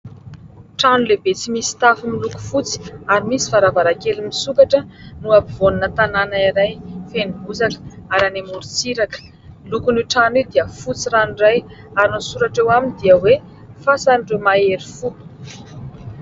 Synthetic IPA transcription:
ʈ͡ʂanulebet͡simisi̥t̪afumiluku̥fut͡si̥aɾimisi̥faɾavaɾakelimisukaʈ͡ʂənuapivonunət̪ananaiɾajfenibuzakə̥aɾanemuɾit͡siɾakə̥ | lukunuʈ͡ʂanid̪iəfut͡siɾaniraj | aɾinusuɾaʈ͡ʂewaminid̪iəwe | fasanɖ͡ʐemaeɾifu

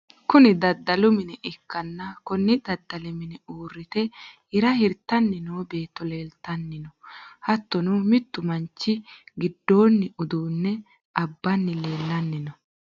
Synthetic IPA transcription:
kʊnɪd̪ɐd̪ːɐlʊmɪnɛʔɪkːɐnːɐkɔnːɪd̪ɐd̪ːɐlɛmɪnɛuːrːɪt̪ɛ | ɪɾɐhɪɾt̪ːɐnːɪnoːbe̞ːt̪ːɔle̞ːlt̪ɐnːɪnɔhɐt̪ːɔnʊmɪt̪ːʊmɐnt͡ʃːɪɡɪd̪ːo̞ːnːɪʊd̪uːnːɛ | ɐbːɐnːɪle̞ːlːɐnːɪnɔ

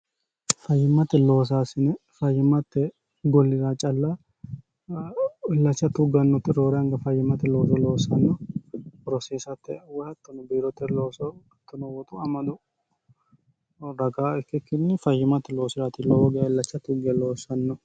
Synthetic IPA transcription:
fɐjːɪmːɐt̪ːɛlo̞ːs̬aːsɪnɛfɐjːɪmɐt̪ːɛ | ɡɔlːɪɾaːt͡ʃʼɐlːa | ɪlːɐt͡ʃːɐt̪ʊɡɐnːɔt̪ɪɾoːɾɛɐŋɡɐfɐjːɪmːɐt̪ːɛlo̞ːs̬ɔlo̞ːsɐnːɔ | ɾɔseːsɐt̪ːɛ̰wɔlɐt̪ːɔnɛbiːɾɔt̪ːɛloːsɔ | t̪ːʊnɔwɔt̪ʼʊɐmɐd̪ʊ | ɾɐɡaːɛkːɛkːɪnːɪfɐjːɪmɐt̪ːɛlo̞ːsɪɾaːt̪ɪlɔwɔɡɛaɪlːɐt͡ʃːɐt̪ʊɡɛlo̞ːsɐnːɔ

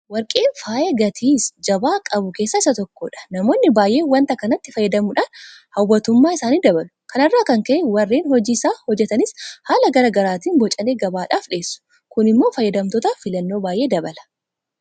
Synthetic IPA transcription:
wɐɾkʼe̞ːnfaːʔeɡɐt̪ʰiːsd͡ʒɐbaːkʼɐbʊke̞ːsːaɪsɐt̪ɔkːoːᶑɐ̥nɐmo̞ːnːɪbaːjʔe̞ːwɐnt̪ɐkɐnɐt̪ːɪfɐjːɐd̪ɐmʊᶑaːnhɐwːɐt̪ʊmːaːɪsaːniːd̪ɐbɐlʊkɐnɐrːaːkɐŋkɐʔɛwɐrːeːnhɔd͡ʒiːɪsaːhɔd͡ʒːɛt̪ɐnɪshaːlɐɡɐɾɐɡɐɾaːt̪iːnbɔt͡ʃʼɐneːɡɐbaːᶑaːfᶑeːsːʊ̥ | kʊnɪmːoːfɐjːɐd̪ɐmt̪ɔt̪ɐfɪlɐnːoːbaːjʔe̞ːd̪ɐbɐlɐ̥

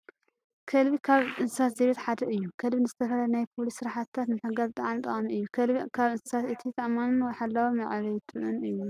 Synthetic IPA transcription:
kʰɐlβikʰaβɨnsɨ̥sat̪zeβet̪ħad̪ɐʔɨjːukʰɐlβinɨzɨt̪ʰɐfɐlajnajpʰolisːɨɾaħat̪t̪ʰːat̪nɨħɐɡazt̪ʼɐʕanit̪ʼɐχʼɐmiɨjːukʰɐlkʰaβɨnsɨ̥sat̪ɨt̪ʰit̪ʰɐʔmanɨnwɔjħalːawomɐʕβɐjt̪ʼɨʔɨnɨjːu

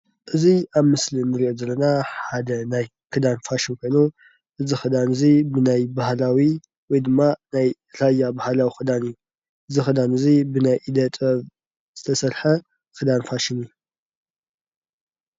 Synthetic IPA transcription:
ʔɨziaβmɨslinɨɾiʔozɐlːɐnaħad̪ɐnaj | kʰɨd̪anfaʃɪnkʰo̞jnu | ʔɨzixɨd̪anɨzibɨnajbahlawi | wɔjd̪ɨmːanaj | ɾajːabahalawixɨd̪anɨjːu | ʔɨzixɨd̪anɨzibɨnajʔid̪ɐt̪ʼɐβ | z̥ɨt̪ʰɐsɐɾħɐ | kɨd̪anfaʃɪniju

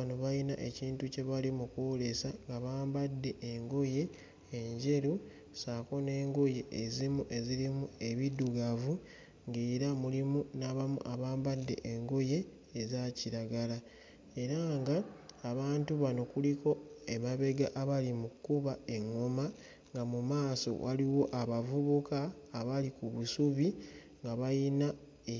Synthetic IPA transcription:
anoβajina̰ʔe̞ciːntuce̞βalimukwole̞saŋɡaβaːmbadːe̞ʔːŋɡoje̞ː | ɲɟe̞ɾu | saːko̞ne̞ːŋɡoje̞ʔːzimuʔe̞ziɾimue̞βiduɡavu | ŋɡeːɾamulimunaβamṵʔaβaːmbadːe̞̰ʔeŋɡoje̞ː | zaciɾaɡala | e̞ɾaːŋɡaːβaːntuβano̞kuliko̞emaβe̞ɡaʔaβalimukːuβaeŋːoma | ŋɡamumaːso̞̰wʔaliwo̞ʔaβavuβukaːβalikuβusuβi | ŋɡaβajina

